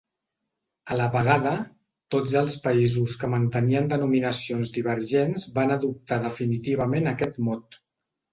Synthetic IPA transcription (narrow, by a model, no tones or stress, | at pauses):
ələβəɣ̞aðə | t̪od͡zəlˠspəizuskəmənt̪əniənd̪ənuminəsionzd̪iβ̞əɾʒenzbanəðup̚t̪aðəfinit̪iβ̞əmenəkɛt̪mɔt̪